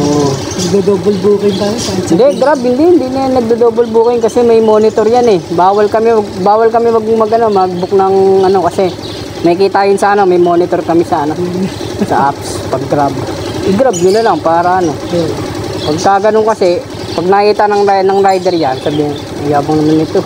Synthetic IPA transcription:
ʔoʔnɐɡ̚d̪ɐd̪oːbolbuːkɪnt̪aːjosɐhɪnd̪ɛɡɾab̚hɪnd̪ihɪnd̪inɐjanːɐɡ̚d̪ɐd̪oːbolbuːkɪnkɐsɛmɐjmo̞ːnɪt̪o̞ɾjanɛbaːwɐlkɐmɛwɐɡ̚baːwɐlkɐmɛwɐɡmɐɡɐnomɐhɐɡ̚bʊk̚nɐŋʔɐno̞kɐsɛ | mɐikiːt̪ajɪnsaːnɐmɐjmo̞ːnɪt̪o̞ɾkɐmɪsaːna | sɐ̰ʔapspɐɡːɾab̚ʔɪɡɾab̚ɡɐnolɐŋpaːɾɐʔɐno̞ | pɐɡ̚kaɡɐnoŋkɐsɛ | pɐɡ̚nɐʔit̪anɐŋɾanɐŋɾajd̪ɛɾjansabihɪn | ɐjaːbɐŋnɐmanɪt̪o̞

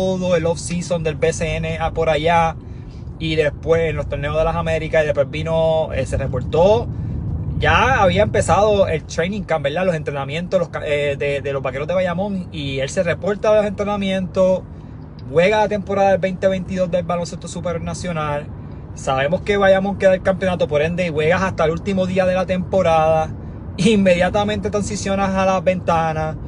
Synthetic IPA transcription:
oðo̞elofsisond̪elbeseene̞apo̞ɾaʝa | iðe̞spwesenlost̪o̞ɾneoðe̞laɦame̞ɾikasiðehpwebino̞ḛse̞re̞po̞ɾt̪o̞ | ʝaaβiaempe̞saðo̞e̞lt̪ɾejnĩŋkapbe̞ɾd̪alo̞se̞nt̪ɾe̞namjẽ̞nt̪olohkaed̪ed̪elo̞ɦbake̞ɾoðe̞βajamõ̞ŋielse̞re̞po̞ɾt̪aðelose̞nt̪ɾe̞namjẽ̞nt̪o̞s | bwe̞ɣaat̪e̞mpo̞ɾaðaalbe̞jnt̪e̞βe̞jnt̪iðo̞zd̪e̞lβalo̞nse̞st̪o̞supeɾjoɾnasjo̞nal | saβe̞mo̞ske̞βajamo̞ŋke̞ðaelkampjo̞nat̪o̞po̞ɾe̞nd̪e̞iβwe̞ɣasast̪aelult̪imo̞ðiaðe̞lat̪e̞mpo̞ɾaðaː | mːe̞ðjat̪amẽ̞nt̪e̞t̪ɾansisjo̞naɦalabe̞nt̪ana

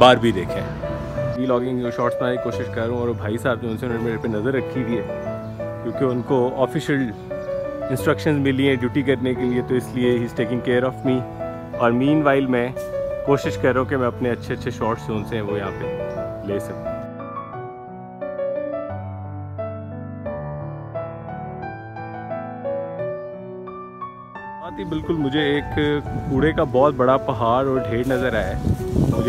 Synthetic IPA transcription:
baːɾbʱid̪eːkʰḛ̃ | ʋiːlɔːɡɪ̃ŋd͡ʒõːʃɔːʈsnãːɾikoːʃɪʃkɐɾːũɔːɾbʱaːisaːb̚d͡ʒoʊ̃nsennemeːɾepenɐzəɾːɐkʰːid̪ʱiɦɛː | kjõːkeʊnkoɔːfɪʃəl | ɪ̃nsʈɾɐkʃə̃nzmɪliɛ̃ɖjuːʈikɐɾnekeliet̪oɪslieɦiːzʈeːkɪ̃ŋkeːɾɔːfmi | ɔːɾmĩːnʋaːɪlmɛ̃koːʃɪʃkɐɾːeɦũkemɛ̃ɐpneɐtːʃʰeɐtːʃʰeʃɔːʈsoːnseɦɛ̃ʋojɐɦãːpeleːsɐk̚t̪e | aːt̪ibɪlkʊlmʊd͡ʒʱeeːkpuːɽekabɔːt̪̚bɐɽapɐɦaːɾɔːɾɖʱeːɾnɐzəɾaːemʊd͡ʒ

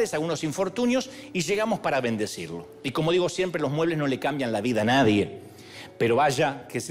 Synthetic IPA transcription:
esalɣuno̞siɱfo̞ɾt̪unjo̞siʒe̞ɣamo̞spaɾaβe̞nd̪e̞siɾlo̞̰ | iko̞mo̞ðiɣosje̞mpɾelo̞zmwe̞βlezno̞le̞kambjanlaβiðaːnaðje | peɾo̞βaʒakes

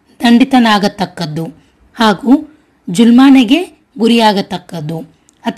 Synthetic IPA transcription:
d̪ɐɳɖit̪ɐnaːɡɐt̪ːɐkːɐd̪u | haːɡu | d͡ʒulmaːneɡe̞ | ɡuɾijaːɡɐt̪ːɐkːɐd̪u | ɐt̪

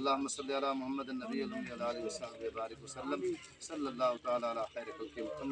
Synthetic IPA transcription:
ɐlːaːɦʊmːɐsɐlːialaːmʊɦɐmːɐd̪ɐnːɐbiːɐlɦʊmd̪ɐlaːlːwɐsaːbjɐbaːɾɪkʋɐsɐlːɐm | sɐlːɐlːaːɦʊt̪ɐaːlaːɐlaːxɛːɾɐkɐlkemʊk̪ʰɐmː

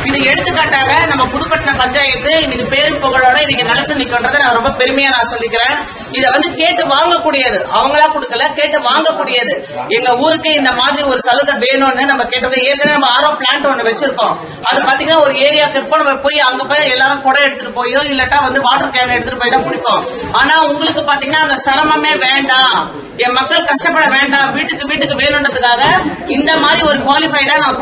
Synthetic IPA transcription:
ɪðɯɛɽɯt̪ːɯkːaːʈːaːɣɐnɐmːɐpʊðʊpɐʈːɐnɐpɐɲd͡ʒaːjɐt̪ːɯɪnɪŋɡɐpeːɾɯmpɔɣɐɭoːɽɐɪnɪŋɡɐnɪlɐt͡ʃːɯ̃nɪkːɐndɾɐðɯnɐmːɐɾɔmbɐpɛɾɯmɐjaːnaːsɔlːɪkːɪɾẽː | ɪðɐʋɐnd̪ɯkeːʈːɯʋaːŋɡɐkːuːɽɪjɐðɯʔɐʋɐŋɡɐɭãːkɔɽɯkːɐlɐkeːʈːɯʋaːŋɡɐkːuːɽɪjɐðɯ | ɛŋɡɐuːɾɯkːɯɪnd̪ɐmaːðɾiɔɾɯsɐlɯðɐʋeːnʊ̃nːɯnɐmːɐkeːʈːɯɾɯkːɐ̃eːɾɯkːɐnːɐnɐmːɐaːɾoːpɪɭaːɳʈɯɔnːɯʋɛt͡ʃːɪɾɯkːõː | ɐðɯpaːɾt̪iːŋɡɐnːaːɔɾɯeːɾɪjaːkɪɾɯpːõnɐmɐpoːjɐʋɐŋɡɐpoːjɛlːaːɾʊ̃kɔɽɐɛɽɯt̪ːɯʈɯpoːjoːɪlːɐʈːãːʋɐnd̪ɯʋaːʈːɯɾɯkːɐaːnɐɛɽɯt̪ːɯʈɯpoːjɪt̪ãːpʊɽɪkːõ | aːnaːʊŋɡɐɭɯkːɯpaːɾt̪iːŋɡɐnːaːɐnd̪ɐsɐɾɐmɐmeːʋeːɳɖãː | ɛmɐkːɐɭkɐʂʈɐpːɐɽɐʋeːɳɖãːʋiːʈːɯkːɯʋiːʈːɯkːɯʋeːnʊ̃ɳɾɐðɯkːaːɣɐ | ɪnd̪ɐmaːðɾiɔɾɯkʋaːlɪfɐɪʈãːnɐmːɐ

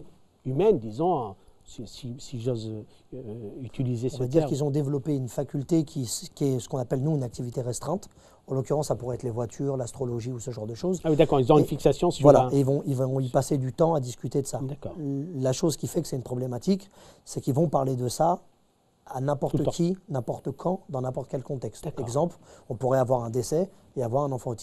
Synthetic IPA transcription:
ymɛnd̪izɔ̃sisisiʒozø | yt̪ʰilizesɔ̃ad̪iʁilzɔ̃d̪evlɔpeynfakʲylt̪ekʲʰiskʲiɛsə̥kɔ̃napɛlnuynak̚t̪ivit̪eʁɛst̪χɛ̃t̪ | ɑ̃lɔkʲyʁɑ̃sːapuʁɛɛt̪χlevwat̪ʰyʁlast̪χɔlɔʒiusəʒɑ̃ʁd̪əʃozawid̪akɔʁizɔ̃ynfiksasjɔ̃svwalaeilvɔ̃ilvɔ̃ipased̪yt̪ɑ̃ad̪iskʲyt̪ed̪əsad̪kɔlaʃozkʲifɛkəsɛt̪ynpχɔblemat̪iksɛkilvɔ̃paʁled̪əsa | anɛ̃pɔʁt̪kʲʰinɛ̃pɔʁt̪əkʰɑ̃d̪ɑ̃nɛ̃pɔʁt̪əkʲɛlkɔ̃t̪ɛkst̪ɛɡzɑ̃plɔ̃puʁɛavwaʁɛ̃d̪esɛ | eavwaʁɛ̃nɑ̃fɑ̃ot̪i

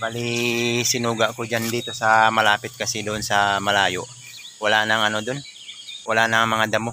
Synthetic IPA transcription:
balisɪnuːɡaʔkod͡ʒand̪iːt̪o̞sɐmɐlaːpɪt̪̚kɐsɪd̪oʔonsɐmɐlaːjoʔ | wɐlaʔnɐŋɐnod̪on | wɐlaʔnɐŋmɐŋad̪ɐmo

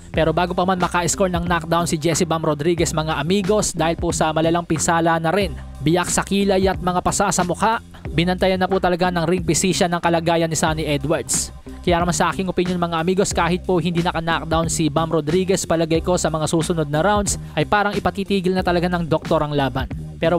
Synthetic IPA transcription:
pɛːɾo̞baːɡopɐmanmɐkaʔɪsko̞lnɐŋnak̚d̪awnsɪd͡ʒɛsɪbamɾod̪ɾiːɡɛsmɐŋaʔɐmiːɡo̞sd̪aːhɪlposɐmɐlɐlaŋpɪnsaːlɐnɐɾɛn | bɪjak̚sɐkiːlɐjɐt̪̚mɐŋapɐsasɐmʊkaʔ | bɪnɐnt̪ɐjɐnːɐpʊt̪ɐlɐɡanɐŋɾɪŋpɪsiːʃɐnɐŋkɐlɐɡaːjɐnːɪsaːnɪʔɛd̪wɐɹd̪s | kɐjaːʔnɐmansɐʔaːkɪŋʔopɪnjonmɐŋaʔɐmiːɡo̞skaːhɪt̪̚pohɪnd̪iːnɐkɐnak̚d̪awnsibamɾod̪ɾiːɡɛspɐlɐɡɐjko̞sɐmɐŋasuːsʊnod̪̚nɐɾawnd̪sʔɐjpaːɾɐŋɪpɐt̪iːt̪iːɡɪlnɐt̪ɐlɐɡanɐŋd̪ok̚t̪o̞ɾɐŋlaːbɐnpɛːɾo

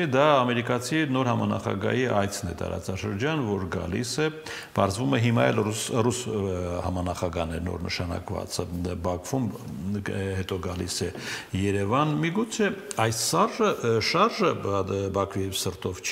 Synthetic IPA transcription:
ɛd̪ɑːmɛɾikɑt͡sʰinɔɾhɑmɑnɑ̰χɑ̰ɡɑ̰jiʔɑjt͡sʰnɛ̰t̪ɑ̰ɾɑ̰t͡sɑʃəɾd͡ʒɑnvɔɾɡɑ̰lḭsɛ | pɑɾzvumɛɦimɑɛ̰lrusrushɑmɑnɑχɑɡɑhnɛɾnɔ̰ɾnʔə̰ʃɑnɑ̰kvɑ̰t͡səbɑkʰv̥um | hɛt̪ɔɡɑlḭsɛjɛɾɛvɑnmiɡut͡sʰɛɑjsːɑrʒəʃɑrʒəbɑkʰviɛvsəɾt̪ɔvt͡ʃʰ

